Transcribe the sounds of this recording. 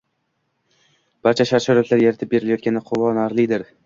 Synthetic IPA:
b̥aɾt͡ʃʰaʃaɾʃaɾat̪laɾjeɾat̪ʰɪp̚be̞ɾɪlajɒt̪kʲanɪqʰolɒnaɾlˠɪd̪ɪɾ

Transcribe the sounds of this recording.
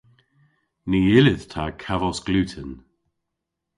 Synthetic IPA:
niɪlɪðt̪ʰakʰavɔsɡ̥lʉːtʰən

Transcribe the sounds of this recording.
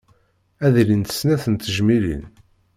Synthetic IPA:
æðlint̪ə̥snæθənt̪ːəʒmilḭn

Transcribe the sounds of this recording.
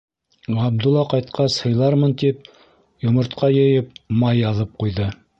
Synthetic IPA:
ʁɑb̚d̪ulˠːɑqɑjt̪̚qɑshɤ̆jlˠɑɾmɤnt̪ip̚ | jŏmŏɾt̪qʰɑjɤ̆jɘp̚mɑjːɑðɤp̚qujðɤ

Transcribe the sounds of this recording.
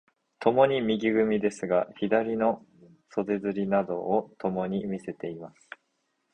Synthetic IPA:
t̪ʰo̞mo̞ɲ̟imʲiɡʲiɡɯ̟mʲid̪e̞sɨɡaçid̪aɾʲino̞ | so̞d̪e̞zɨɾʲinad̪o̞̰ːt̪o̞mo̞ɲ̟imʲise̞t̪e̞imasɨ̥

